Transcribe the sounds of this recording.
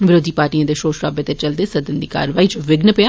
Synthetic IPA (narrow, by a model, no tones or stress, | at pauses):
ʋɪɾoːd̪ʱiːpaːɾʈijãːd̪eʃoːʃɾaːbet̪et͡ʃɐld̪esɐd̪ɪnd̪iːka̰ːɾʋaːiːt͡ʃʋɪɡnəpjaː